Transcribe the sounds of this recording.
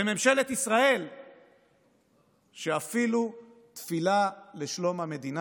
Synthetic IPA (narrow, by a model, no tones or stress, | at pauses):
eme̞mʃe̞let̪isʁae̞l | ʃeafilu | t̪filaleʃlo̞mhame̞d̪ina